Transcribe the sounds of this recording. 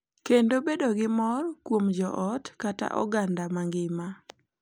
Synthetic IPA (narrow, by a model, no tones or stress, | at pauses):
kendobedoɡɪmɔrkwomd͡ʒɔʔɔtkata̰ʔɔ̰ɡandamaŋɡɪma